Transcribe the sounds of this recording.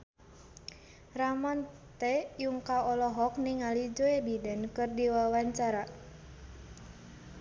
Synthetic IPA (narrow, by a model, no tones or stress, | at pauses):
raman | t̪ɛjuŋkaɔlɔɦɔk̚niŋalid͡ʒɔebidankɨrdiwawaɲt͡ʃaɾa